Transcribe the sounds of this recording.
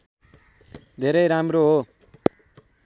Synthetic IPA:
d̪ʱeɾʌjɾamroɦo

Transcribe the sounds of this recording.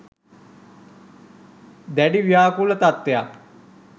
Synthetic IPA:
d̪ɛːɖiːʋɪjaːkulət̪at̪ːjaː

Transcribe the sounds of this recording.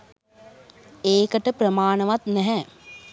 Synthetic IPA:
eːkəʈəprəmaːɳəʋat̪nɛɦɛ

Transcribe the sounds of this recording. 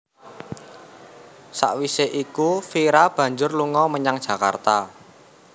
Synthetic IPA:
sa̰ʔwiseʔikufiɾab̥ä̤ɲd͡ʒʊrluŋɔməɲaŋd̥ʒ̥ä̤ka̰rt̪a

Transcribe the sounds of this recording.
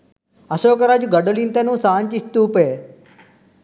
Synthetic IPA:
ɐsoːkɐɾad͡ʒuɡɐɖolint̪enũːsaːɲt͡ʃist̪uːpeː

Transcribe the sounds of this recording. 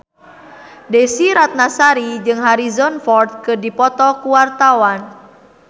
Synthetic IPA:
desiɾat̪̚nasaɾid͡ʒɨŋɦaɾizɔnfɔrd̪̚kɨrdipɔt̪ɔkuwart̪awan

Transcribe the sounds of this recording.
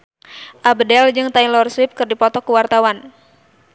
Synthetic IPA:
ʔabdɛld͡ʒɨŋt̪ailɔrswɪp̚kɨrdipɔt̪ɔkuwart̪awan

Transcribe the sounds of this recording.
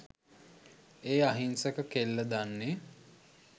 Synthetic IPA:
eːaɦinsəkəkelːəd̪anːe

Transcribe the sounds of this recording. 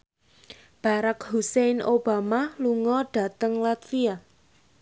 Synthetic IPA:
b̥a̤ɾakhusenob̥amaluŋɔɖ̥a̤t̪əŋlat̪fia

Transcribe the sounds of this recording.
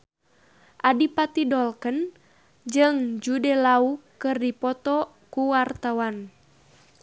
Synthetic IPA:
ʔadipat̪idɔlkən | d͡ʒɨŋd͡ʒudɛlaukɨrdipɔt̪ɔ | kuwart̪awan

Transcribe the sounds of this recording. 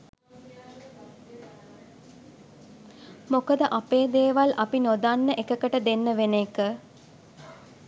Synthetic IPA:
mokəd̪əʔapeːd̪eːʋalʔapinod̪anːəʔekəkəʈəd̪enːəʋenekə

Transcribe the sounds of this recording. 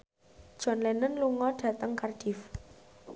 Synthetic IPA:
d̥ʒ̥ɔ̤nlɛnənluŋɔɖ̥ä̤t̪əŋkarɖ̥if

